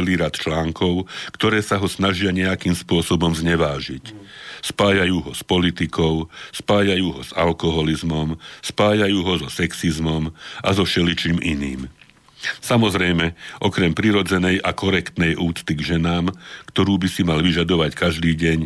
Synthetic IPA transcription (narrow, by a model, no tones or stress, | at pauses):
liːɾat̪t͡ʃlaːŋkɔʊkt̪ɔɾɛːsaɦɔsnaʒɪaɲɛakiːmspʊɔsɔbɔmzɲɛʋaːʒicspaːjajuːɦɔspɔlit̪ikɔʊspaːjajuːɦɔz̥a̰lkɔɦɔlizmɔmspaːjajuːɦɔzɔsɛksizmɔmʔazɔfʃɛlit͡ʃiːmʔḭnḭːm | samɔzɾɛjmɛʔɔkɾɛmpɾiɾɔd͡zɛnɛjʔakɔɾɛkt̪nɛjʔuːt͡st̪iɡʒɛnaːmkt̪ɔɾuːbisimalʋiʒad̪ɔʋackaʒd̪iːɟɛɲ